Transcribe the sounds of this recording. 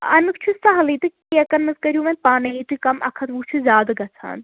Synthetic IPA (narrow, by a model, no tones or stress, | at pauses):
ɐnɨkt͡ʃʰusɐɦɐliːt̪ɨ | iɐkɐnmɐzkɐɾjũʋɐnpaːnɐit̪uikɐmʔɐ̰kʰɐt̪ʋuːt͡ʃʰuzʲaːd̪ɐɡɐt͡sʰa̰ːn